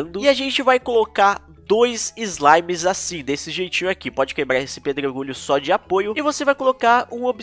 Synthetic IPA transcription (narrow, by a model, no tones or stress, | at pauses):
nd̪ʊɪaʒẽnt͡ʃɪvajkolokaɾ | d̪ojzɪzlajmɪzasĩd̪esɪʒejt͡ʃĩɲʊakipɔd͡ʒɪkebɾaɾesɪ̥ped̪ɾoɾɡuʎʊsɔd͡ʒɪapojʊɪvosevajkolokaɾũob